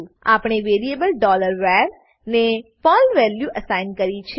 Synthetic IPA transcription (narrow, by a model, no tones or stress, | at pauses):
a̰pɳ̃eʋeɾiebəlɖɔləɾʋɛɾ | nefɔlʋɛljuʔəsajnkəɾit͡ʃʰ